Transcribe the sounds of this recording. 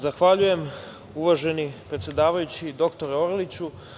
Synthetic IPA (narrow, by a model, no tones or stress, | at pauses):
zaxʋaʎuje̞m | uʋaʒe̞nipɾet̪sjed̪aːʋajut͡ɕid̪o̞kt̪o̞ɾeoɾlit͡ɕu